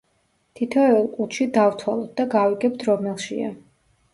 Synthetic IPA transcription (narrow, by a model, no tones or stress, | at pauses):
t̪ʰit̪ʰɔɛlˠkʼuʃid̪avt̪ʰwalˠɔt̪̚d̪aɡaviɡɛp̚t̪ʰɾɔmɛlˠʃḭa̰